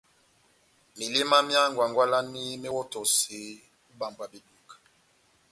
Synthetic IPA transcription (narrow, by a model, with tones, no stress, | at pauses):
mi˨li˦ma˦mja˦ŋɡwa˨ŋɡwa˦la˦ni˦mɛ˦wo˦to˨si˨ | u˦ba˨mba˨bi˨du˨k